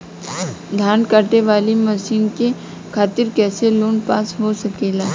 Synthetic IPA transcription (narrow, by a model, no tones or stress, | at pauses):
d̪ʱaːnkaːʈeʋaːlimɐʃiːnke | kʰaːt̪ɪɾkɛːseloːnpaːsɦosɐkeːlaː